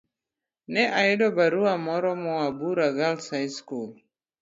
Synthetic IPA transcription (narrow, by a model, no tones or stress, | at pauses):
nɛʔaɛdɔbaɾuamɔɾɔmɔwabuɾaɣalsajskul